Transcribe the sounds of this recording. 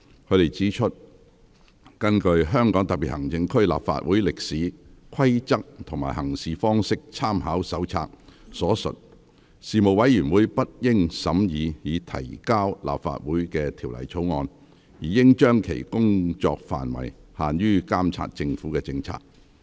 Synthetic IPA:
kʰɵ˨˧ɥɾe˨˩jt͡siː˨˥t͡ʃʰɵ˥t̚ | kɐ˥nkɵ˧ɥɦœː˥ŋkɔː˨˥ŋt̪ɐ˨piː˨t̚hɐ˨˩ŋt͡sɪ˧ŋkʰɵ˥ɥla̰ː˨pfa̰ː˧t̚wuː˨˥jlɪ˨k̚siː˨˥kʰɐ˥jt͡sɐ˥k̚t̪ʰʊ˨˩ŋma̰ː˨˩jhɐ˨˩ŋsiː˨fɔː˥ŋsɪ˥k̚t͡sʰaː˥mhaː˨˥wsɐ˨˥wt͡sʰa̰ː˧k̚sɔː˨˥sɵ̰˨t̚ | siː˨mo˨wɐ˨˥jjyː˨˩nwuː˨˥jpɐ˥t̚jɪ˥ŋsɐ˨˥mjiː˨˧jiː˨˧t̪ʰɐ̰˨˩jkaː˥wlʔa̰ː˨p̚fa̰ː˧˨t̚wuː˨˥jkɛː˧t̪ʰiː˨˩wlɐ̰˨˩jt͡sʰo˨˥wŋɔː˧n | jiː˨˩jɪ˥ŋt͡ʃœː˥ŋkʰḛ˨˩jkʊ˥ŋt͡ʃɔ̰ː˧k̚fa̰ː˨nwɐ̰˨˩jhaː˨njyː˥kaː˥mt͡sʰa̰ː˧t̚t͡sɪ˧ŋfuː˨˥kɛː˧t͡sɪ˧ŋt͡sʰa̰ː˨k̚

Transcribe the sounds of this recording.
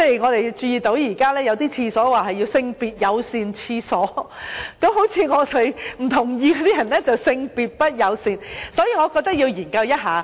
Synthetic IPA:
t͡sɛ˥˩ŋɔː˨˧t̪e˨jt͡ʃyː˧jiː˨t̪o˨˥wjiː˨˩kaː˥lɛː˥jɐ˨˧wt̪iː˥t͡sʰiː˧sɔː˨˥waː˨˩hɐ˨˩ji˧wsɪ˧ŋpiː˨˩t̚jɐ˨˧wsiː˨nt͡sʰiː˧sɔː˨˥kɐ˨˥mɦo˨˥wt͡sʰiː˨˧ŋɔː˨˧t̪ʰe˨˧jm̩˨˩t̪ʰʊ˨˩ŋjiː˧kɔ˧t̪iː˥jɐ˨˩nlɛː˥t͡sɐ˨wsɪ˧ŋpiː˨t̚pɐ˥t̚jɐ˨˧wsiː˨˧nsɔː˨˥jiː˧ŋɔː˨˧kɔː˧k̚t̪ɐ˥k̚ji˧wjiː˨˩nkɐ˧wjɐ˥t̚ɦaː˨˧

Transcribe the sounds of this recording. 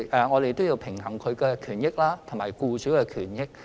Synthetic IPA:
ʔɛ˨ŋɔː˨˧d̪e˨jt̪o˥wji˧wpʰɪ˨˩ŋhɐ˨˩ŋkʰɵ˨˧ɥkɛː˧kʰyː˨˩njɪ˥k̚laː˥t̪ʰʊ˨˩ŋmaː˨˩jkuː˧syː˨˥wkɛː˧kʰyː˨˩njɪ˥k̚

